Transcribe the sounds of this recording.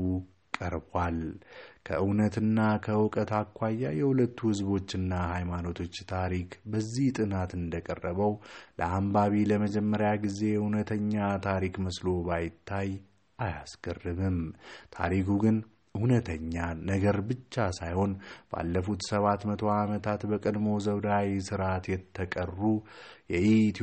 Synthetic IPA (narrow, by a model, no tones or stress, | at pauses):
u | kʼəɾbalkʰə̰ʔɨwnət̪ɨnːakʰəwɨkʼət̪ʰakʷːajːajɛhulət̪ʰːuhɨzβo̞t͡ʃːɨnːahajmano̞t̪ʰo̞t͡ʃːt̪ʰaɾikbəzːiht̪ʼɨnat̪ɨnd̪əkʼərːəβəwlə̰ambaβiləməd͡ʒɛmːəɾjaɡize̞hunət̪ʰəɲːat̪ʰaɾikməslo̞bajɪt̪ʰːaj | ʔajasɡərːɨmɨmt̪ʰa̰ɾikʰuɡɨn | ɨhunət̪ʰəɲːanəɡəɾbɨt͡ʃːasajho̞nb̥əa̰lːəfut̪səβat̪mət̪ʰo̞amət̪ʰat̪bəkʼəd̪mo̞zəwd̪awsɨɾat̪jɛt̪ʰːəkʼərːujɛʔit̪